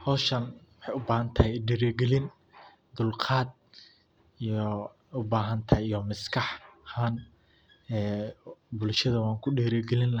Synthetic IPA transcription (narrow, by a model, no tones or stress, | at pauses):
hɔːʃɐnwħɑjʊbaːhɐnt̪ʰɐɦɛjɖiːɾɛɡɛlɪn | d̪ʊlqʰɑːd̪̚ | ijɔ | ʊbaːɦɐnt̪ʰɐijɔmɪskʰɑħhaːn | ɛːbʊlʃɐðɐwɑːŋkʰʊɖiːɾɛɡɛlɪnlɐ